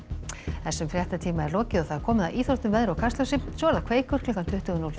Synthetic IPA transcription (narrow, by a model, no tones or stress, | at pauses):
ɛsːʏmfɾjɛht̪at̪ʰiːmaɛɾlɔːcɪɔθaðɾ̥kʰɔːmɪðaʔiːθɾowht̪ʏmvɛðɾawkʰast̪lœwsɪpnsvɔːɾðakʰveːjkʏɾ̥kʰlʏkant̪ʰʏht̪ʏɣnːul